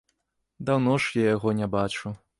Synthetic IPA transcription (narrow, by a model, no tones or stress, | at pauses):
d̪awnɔʂjajaɣɔnʲabat͡ʂu